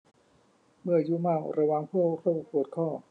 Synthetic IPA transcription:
mɯ˥˩ɐjuː˦˥maː˥˩wɾa˧wa˧ŋpʰu˥˩ə˧kʰaː˥˩wkʰu˨˩ət̪̚kʰɔː˥˩

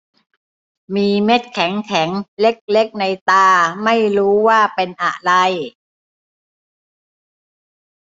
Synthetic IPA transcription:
miː˧me˦˥t̪̚kʰɛ˩˦ŋkʰɛ˩˦ŋle˦˥k̚le˦˥k̚na˧jt̪aː˧ma˥˩jɾuː˦˥waː˥˩pe˧nʔa̰˨˩ɾa˧j

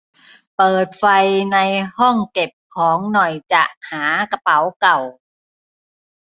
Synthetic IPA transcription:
pɤː˨˩t̪̚fa˧jna˧jhɔ˥˩ŋke˨˩p̚kʰɔː˩˦ŋnɔ˨˩jt͡ɕa˨˩ʔhaː˩˦ka˧pa˨˦wka˨˩w

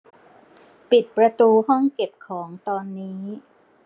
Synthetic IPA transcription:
pi˨˩t̪̚pɾa˧t̪uː˧hɔ˥˩ŋke˨˩p̚kʰɔː˩˦ŋt̪ɔː˧nːiː˦˥

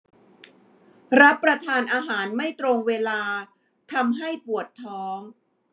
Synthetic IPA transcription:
ɾa˦˥pːɾa˧t̪ʰaː˧nʔaː˧ɦaː˩˦nma˥˩jt̪ɾo˧ŋweː˧laː˧ | t̪ʰa˧mɦa˥˩jpu˨˩ət̪ʰːɔː˦˥ŋ

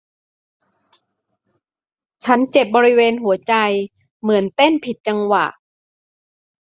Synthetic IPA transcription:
t͡ɕʰa˦˥nt͡ɕe˨˩p̚bɔː˧ɾi˦˥weː˧nɦu˩˦ɐt͡ɕa˧j | mɯ˩˦ənt̪e˥˩npʰi˨˩t̪̚t͡ɕa˧ŋwa̰˨˩ʔ

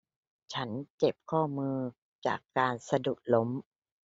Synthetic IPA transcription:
t͡ɕʰa˦˥nt͡ɕe˨˩p̚kʰɔː˥˩mɯː˧ | t͡ɕa̰ː˨˩kːaː˧nsa˧du˨˩k̚lo˦˥m

